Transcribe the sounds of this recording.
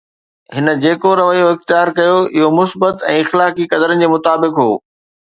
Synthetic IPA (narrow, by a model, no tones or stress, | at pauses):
ɦɪnə̆d͡ʑeːkoɾɐʋəijoɪxt̪ɪjaːɾkɐjoɪɦomʊsbət̪ɛ̃ːɪxlaːkikɐd̪əɾənɪ̆d͡ʑeːmʊt̪aːbɪkɦoː